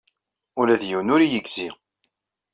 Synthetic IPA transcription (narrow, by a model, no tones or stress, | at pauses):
ʊlæðjiwnʊɾijəɡzi